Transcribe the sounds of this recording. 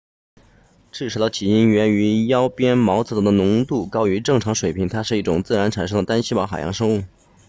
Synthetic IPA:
ʈ͡ʂʰɻ̩˥˩ʂ̩ʰ˧˥˩d̪ə˧˩t͡ɕʰi˨˩i˥nɥɛ˧˥ny˧˥jɑ˥ʊpjɛ˥nmɑ˧˥ʊt͡sɹ̩˨˥t̪ə˥˩d̪ə˨nʊ˧˥ŋt̪u˥˩kɑ˥ʊy˧˥ʈ͡ʂɤ˥˩ŋʈ͡ʂʰɑ˧˥ŋʂwe˨˩ɪpʰi˧˥ŋt̪ʰa˥ʂɻ̩˥˧i˥˩ʈ͡ʂʊ˨˩ŋt͡sɹ̩˥˩ɻa˧˥nʈ͡ʂʰa˨˩nʂ̬ɤ˥ŋə˩t̪a˥nɕi˥pɑ˧˥xa˨˩ɪjɑ̰˥ŋʂɤ˥ŋu˥˩

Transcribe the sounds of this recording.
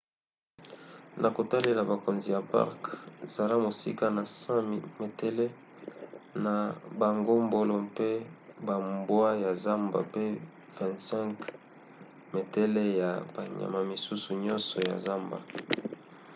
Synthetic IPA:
nʔa˨ko˨ta˦le˨la˨ba˨ko˨nzi˨ja˨pa̰˦ʁkza˨la˦mo˨sḭ˦ka˦na˨sã˦m˨me˨te˦le˦ | na˨ba˨ŋɡo˦mbo˦lo˨pe˦ba˨mbwa˦ja˨za˦mba̰˨pe˦ | vɛ̃˨ntsɛ̃˦ŋk | me˨tɛ˦le˦ja˨ba˨ɲa̰˨ma˨mi˨su˦su˨ɲɔ˦nsɔ˨ja̰˨za˦mba̰˨

